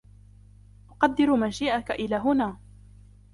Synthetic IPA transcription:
ʔʊqɑd̪ːɪɾmaːʃiːʔakaʔɪlaːɦʊnaː

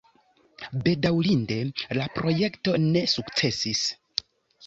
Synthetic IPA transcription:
be̞dawlinde̞lapɾo̞je̞kto̞ne̞sukt͡se̞sis

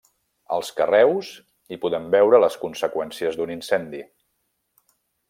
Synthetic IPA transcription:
ə̰lˠskərɛwz | ipuðɛmbɛwɾələskunsəkwɛnsiəzd̪uninsɛnd̪i

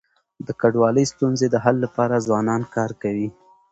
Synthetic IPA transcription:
d̪əkaɖwɑləjst̪unzed̪əɦalːapɑɾazwɑnɑnkɑɾkawi

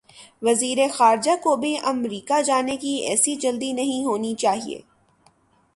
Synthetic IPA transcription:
ʋɐziːɾexaːɾd͡ʒakobʱiʔɐmɾiːkad͡ʒaːnekiɛ̰ːsid͡ʒɐld̪inɐɦĩɦoːnit͡ʃaːɦḭḛː

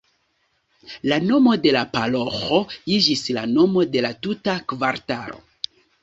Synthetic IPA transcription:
lano̞mo̞de̞lapaloxo̞id͡ʒislano̞mo̞de̞latutakvaɾta̰ɾo̞̰

